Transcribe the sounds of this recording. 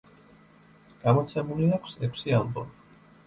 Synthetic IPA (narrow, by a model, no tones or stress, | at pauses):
ɡ̥amɔt̪sʰɛmuliakʰsɛkʰsialˠbɔ̰mi